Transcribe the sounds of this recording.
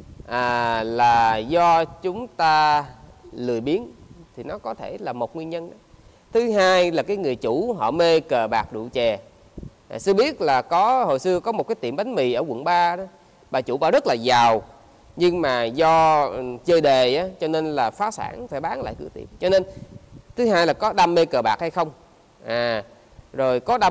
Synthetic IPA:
ʔaː˨˩laː˨˩zɔ˧t͡ɕʊ˨˦ŋ͡mt̪aː˧ | lɨ˨˩əjɓi˨˦ənt̪ʰi˨˩nɔ˨˦kɔ˨˦t̪ʰe˧˩laː˨˩mo˨˩t̚ŋwi˧ənɲə˧nɗa˨˦ | t̪ʰɨ˨˦ɦaː˧jlaː˨˩kaː˨˦jŋɨ˨˩əjt͡ɕu˧˩˥ɦɔ̰˧˨me˧kəː˨˩ɓaː˨˩k̚ɗṵ˧˨t͡ɕɛ˨˩ | a˨˩sɨ˧əɓi˦˥ət̚laː˨˩kɔ˨˦ho˨jsɨ˧əkɔ˨˦mo˨˩t̚kaː˨˦jt̪ḭ˧˩mɓa˨˦ŋ̟mḭ˧˨ʔəː˧˩kwə̰˧˨nɓaː˧ɗɔ˨˦ | ɓaː˨˩t͡ɕṵ˧˩˥ɓa̰ː˧˩˦zə˦˥t̚laː˨˩zaː˨˩w | ɲɨ˧ŋmaː˨˩zɔ˧˨t͡ɕəː˧jɗe˨˩ʔaː˨˦t͡ɕɔ˧ne˧nlaː˨˩faː˨˦sa̰ː˧˩ŋfaː˧˩ɓaː˨˦nla̰ː˧˨jkɨ̰˧˩ət̪ḭ˧˨əmt͡ɕɔ˧ne˧nt̪ʰɨ˨˦ɦaː˧jlaː˨˩kɔ˨˦ɗa˧mːe˧kəː˨˩ɓaː˨˩k̚ha˧jxə˧wŋ͡m | ʔaː˨˩ | zo˨˩jkɔ˨˦ɗa˧

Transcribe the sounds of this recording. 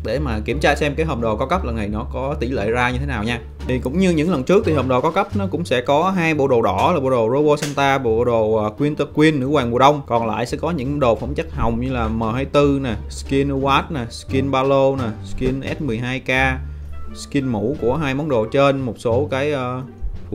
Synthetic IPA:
ɗe˧˩maː˨˩ki˧˩əmt͡ɕaː˧sɛ˧mkaː˨˦jɦəː˨˩ŋ͡m̚ɗo˨˩kɔ˨˦kə˦˥p̚lə˨˩nːa˨˩jnɔ˨˦kɔ˨˦t̪i˧˩lḛ˧˨zaː˧ɲɨ˧t̪ʰe˨˦naː˨˩wɲaː˧ | t̪ʰi˨˩kʊ̰˧˥ŋ͡mɲɨ˧ɲɨ̰˧˥ŋlə˨˩nt͡ɕɨ˦˥k̚t̪ʰi˨˩hə˨˩wŋ͡mɗo˨˩kɔ˨˦kə˦˥p̚nɔ˨˦kʊ̰˧˥ŋ͡msɛ̰˧˥kɔ˨˦ɦaː˧jɓo̰˧˨ɗo˨˩ɗɔ˧˩laː˨˩ɓo̰˧˨˩ɗo˨˩zo˧vo˧sɛ˧nt̪aː˧ɓo̰˧˨˧ɗo˨˩ʔəː˨˩kwi˧ənt̪ə˧kwi˧ənːɨ̰˧˥waː˨˩ŋmu˨˩əɗə˧wŋ͡mkɔ˨˩nla̰ː˧˨jsɛ̰˧˥kɔ˨˦ɲɨ̰˧˥ŋ˧ɗo˨˩fə˧˩wŋ͡mt͡ɕa˦˥k̚ha˨˩wŋ͡mɲɨ˧laː˨˩məː˨˩haː˧jt̪ɨ˧na˨˩ski˧n˧waː˦˥t̚na˨˩ski˧nɓaː˧lo˧na˨˩ski˧nʔɛ˦˥t̚mɨ˨˩əjɦaː˧jkaː˧ski˧nmṵ˧˥ku˧˩əɦaː˧jmɔ˨˦nɗo̰˧˨˩t͡ɕe˧nmo˨˩t̚so˨˦kaː˨˦jʔəː˧

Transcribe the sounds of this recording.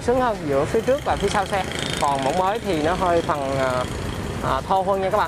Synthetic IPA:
sɨ˨˦ŋhəː˧nzɨ̰˧˥əfi˨˦ət͡ɕɨ˦˥k̚laː˨˩fi˨˦sa˧wsɛ˧kɔ˨˩nmo̰˧˥wŋ͡mməː˨˦jt̪ʰi˨˩nɔ˨˦ɦəː˧jt̪ʰa˨˩nəː˨˩ | ʔəː˨˩t̪ʰo˧ɦwə˧nɲa˧kaː˦˥kɓ̰ː

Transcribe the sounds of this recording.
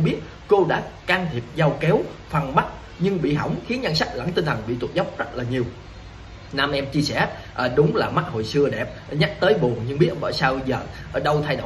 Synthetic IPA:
ɓi˦˥ət̚ | ko˧ɗa̰ː˧˥kaː˧ŋt̪ʰi˨˩əp̚za˧wkɛ˨˦wfa˨˩nɓa˦˥t̚ | ɲɨ˧ŋɓḭ˧˨ɦɔ̰˧˩wŋ͡mxi˨˦ənɲa˧nsa˦˥k̚la̰˧˥nt̪ï˧ŋt̪ʰə˨˩ŋɓḭ˧˨t̪u˨˩t̚zə˦˥wk͡p̚zə˦˥t̚laː˨˩ɲi˨˩əw | naː˧mʔɛ˧mt͡ɕi˧əsɛ˧˩ | ʔəː˨˩ɗʊ˨˦ŋ͡mlaː˨˩ma˦˥t̚ho̰˧˨jsɨ˧əɗɛ˨˩p̚ɲa˦˥k̚t̪əː˨˦jɓu˨˩əŋɲɨ˧ŋɓi˦˥ət̚ʔmɓəː˧˩jsaː˧wzəː˨˩˨ɗə˧wt̪ʰa˧jɗo̰˧˨

